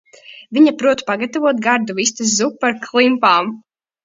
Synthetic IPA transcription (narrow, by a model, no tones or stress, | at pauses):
viɲapɾuɔt̪paɡat̪avuɔt̪̚ɡaɾd̪uvis̬t̪as̬zupːaɾkʰlˠimpaːm